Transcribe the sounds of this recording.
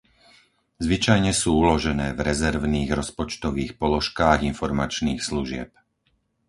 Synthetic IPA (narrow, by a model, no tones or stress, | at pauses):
zʋit͡ʃajɲɛsuːulɔʒɛnɛːvɾɛzɛɾʋniːɣɾɔspɔt͡ʃt̪ɔʋiːxpɔlɔʃkaːɣinfɔɾmat͡ʃniːxsluʒɪɛ̰p̚